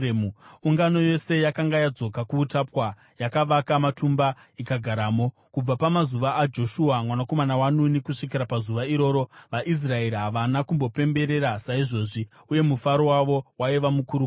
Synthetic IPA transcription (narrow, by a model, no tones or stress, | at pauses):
uuŋɡano̞jo̞se̞jakaŋɡajad͡zo̞kakuːtapwa | jakaʋakamatumba | ikaɡʱaɾaːmo̞ | kub͡vapamazuʋaʔːd͡ʒo̞ʃuamwanako̞manawanunikuʂik̬iɾapazuʋaiɾo̞ːɾo̞ʋaʔis̬rae̞ɾiɦaʋanakumbo̞pe̞mbe̞ɾe̞ɾasaiʐo̞ʐi | uje̞mufaɾo̞waʋo̞waiʋamukuɾu